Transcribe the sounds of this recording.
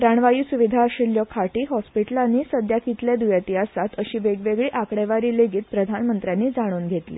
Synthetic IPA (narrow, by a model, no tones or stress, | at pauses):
ɾaɳʋajuːsuʋid̪ʱaəɕiljɔkʰaʈiːɦɔspiʈəlanːiːsəd̪ʱjakit̪led̪ujat̪iɦasat̪əɕiːʋeɡʋeɡɭiːʔakɽɛʋaɾiːleɡiːt̪̚pɾəd̪ʱanmənt̪ɾjanːiːd͡zaɽ̃uːnɡʱet̪lḭ